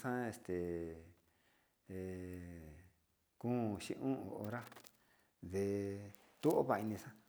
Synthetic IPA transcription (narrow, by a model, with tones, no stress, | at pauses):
sã˦e˧˨st̪e˨ | e˨ | kũ˦˨ʃḭ̃˧ʔũ˦o˧o˧ɾa˦ | ðe˧ | t̪u˦ʔo˦βa˧˨˧i˧nĩ˧sã˦